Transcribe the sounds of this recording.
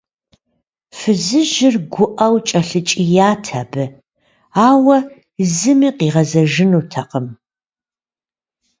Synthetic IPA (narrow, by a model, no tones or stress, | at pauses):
fɨzɨʒɪrɡʷʊʔɐwt͡ʃʼɐɬɨt͡ʃʼijaːtʰaːbɨ | aːwɐ | zɨmiːqiːʁɐzɐʒɪnuːtʰɐqəm